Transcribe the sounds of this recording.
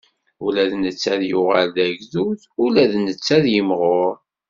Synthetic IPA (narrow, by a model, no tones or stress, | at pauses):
ʊlæðnət͡sːæðjʊʁəlðæʝðuðʊlæðnət͡sːæðjəmʁoɾ